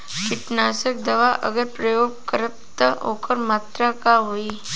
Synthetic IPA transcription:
kɪʈnaːsək̚d̪ɐʋaʔə̰ɡəɾpɾəjoːɡkəɾəp̚t̪ə̰ɦo̰kəɾmaːt̪ɾakaɦoːi

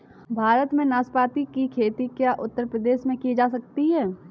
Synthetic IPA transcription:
bʱaːɾət̪mẽnaːspaːt̪ikikʰeːt̪ikjaʔʊt̪ːəɾpɾəd̪eːʃmẽkid͡ʒaːsɐk̚t̪iɦɛː

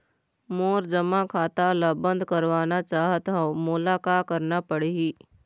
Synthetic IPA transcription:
moːɾd͡ʒɐmakʰaːt̪alabə̃nd̪kɐɾʋaːnat͡ʃaːɦət̪ɦamʊlaːkakɐɾnapəɽeiː

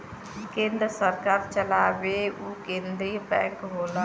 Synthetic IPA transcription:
kẽːnd̪ɾəsəɾkaːɾt͡ʃəlaːʋeːuːkẽːnd̪ɾiːbɛ̰̃ːŋkɦoːla

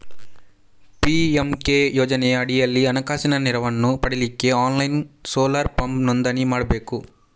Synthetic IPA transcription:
piemkeːjoːd͡ʒɐnɛjɐːɽijɐlːiɐnɐkaːsinɐniɾɐʋɐnːupɐɽilikːe̞aːnlɐjnsoːlɐɾpɐmbnɔnd̪ɐnimaːɽɐbe̞ːku

